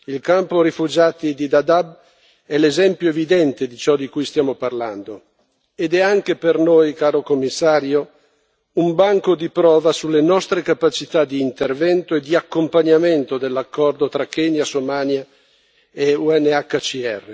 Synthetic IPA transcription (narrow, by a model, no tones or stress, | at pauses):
ilkampoɾifud͡ʒaːt̪id̪id̪ad̪ab̚ | ɛlezɛmpjoevid̪ɛnt̪ed̪it͡ʃɔd̪ikujst̪jaːmoparland̪o | ed̪ɛaŋkepernojkaːɾokomːisːaːɾjo | umbaŋkod̪ipɾɔːvasulːenɔst̪ɾekapat͡ʃit̪ad̪iːnt̪ervɛnt̪oed̪iakːompaɲament̪od̪elːakːɔrd̪ot̪ɾakːeɲasomaːnja | euɛnːeakːat͡ʃiɛ̰rːe